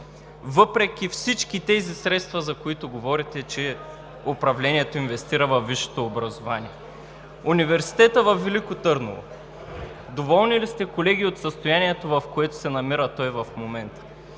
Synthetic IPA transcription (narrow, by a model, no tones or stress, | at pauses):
vɤpɾɛk̟ʲifsit͡ʃkit̪ɛzisɾɛt̪st̪vɐzɐkoit̪oɡovɔɾit̪ɛt͡ʃɛ | opɾɐvlɛniɛt̪oinvɛst̪iɾɐvɐvːiʃɛ̥t̪oːbɾɐzovaniɛ | univɛɾsi̥t̪ɛt̪əvɐfːilikot̪ɤɾnɐ̰lˠo̰ | d̪ovɔlˠnilist̪ɛkolɛɡ̟iot̪sɐst̪ojaniɛt̪ovɐfkoɛt̪ʊ̥sɛnɐmiɾət̪ɔjvɐfmomɛnt̪ə̥